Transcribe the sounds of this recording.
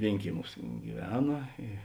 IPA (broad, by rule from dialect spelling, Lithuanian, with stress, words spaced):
ˈʋʲeːɪŋʲkʲiɛˌmʲuːs ɡʲɪˈʋʲæːnɐ ɪ